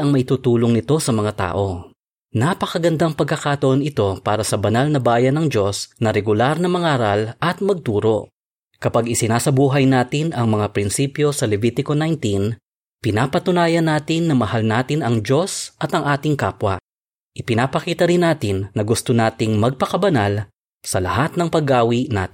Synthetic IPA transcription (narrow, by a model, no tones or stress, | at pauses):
ɐŋmɐʔɪt̪ut̪uːlo̞ŋnɪt̪o̞sɐmɐŋat̪a̰ːʔo̞ | napɐkɐɡɐnd̪aŋpɐɡkːɐkaːt̪ɐʔonɪt̪o̞paːɾɐsɐbɐnalnɐbaːjɐnːɐŋd͡ʒo̞snɐɾɛɡʊlaɾnɐmɐŋaːɾɐlʔɐt̪̚mɐɡ̚t̪uːɾo̞̰ | kɐpaɡɪsɪnaːsɐbuːɦɐjnaːt̪ɪnɐŋmɐŋapɾɪnsiːpjo̞sɐlɛviːt̪ɪkonajnt̪in | pɪnaːpɐt̪ʊnaːjɐnːaːt̪ɪnːɐmɐhalnaːt̪ɪnɐŋd͡ʒo̞sʔɐt̪ɐŋʔaːt̪ɪŋkaːpwɐ̰ | ʔɪpɪnaːpɐkiːt̪ɐɾɪnaːt̪ɪnːɐɡʊst̪onaːt̪ɪŋmɐɡ̚pɐkɐbɐnal | sɐlɐ̰hat̪̚nɐŋpɐɡaːwina̰ːt̪ɪ